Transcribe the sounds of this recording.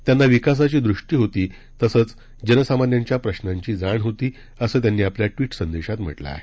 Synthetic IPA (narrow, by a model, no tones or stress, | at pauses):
t̪janːaʋikas̬at͡ɕiːd̪ɾuʂʈiːɦot̪iː | t̪əsəːt͡s | d͡ʑənəsamanjaɲt͡ɕjapɾəɕnaɲt͡ɕiːd͡zaɳɦot̪iː | əsəːt̪janːiːapljaʈʋiːʈsənd̪eɕat̪m̤ə̰ʈla̰a̰ɦe